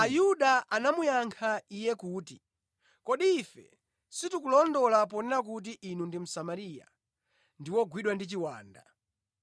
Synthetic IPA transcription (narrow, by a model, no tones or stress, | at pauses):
ajuɗaʔanamujaŋkʰaijɛkuːti | kɔɗiːfɛ̰ | situkulɔndɔlap̬ɔnɛɾak̬ut̬iʔinundim̩samaɾija̰ | ndiwɔɡwiɗwandit͡ʃiwaːnda̰